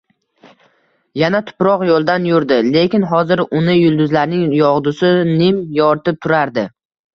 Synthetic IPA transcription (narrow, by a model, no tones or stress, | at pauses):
janat̪ʰʊ̥pɾɒqjolˠd̪anjʊɾd̪ɪle̞kʲɪnɦɒzɪɾʊnɪjʊlˠd̪ʊzlaɾnɪŋjɒʁd̪ʊsɪnɪmjɒɾt̪ɪp̚t̪ʰʊɾaɾd̪ɪ